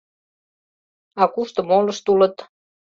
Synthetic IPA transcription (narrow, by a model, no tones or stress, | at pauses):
ɑkuʃt̪ə̆molə̆ʃt̪ulə̆t̪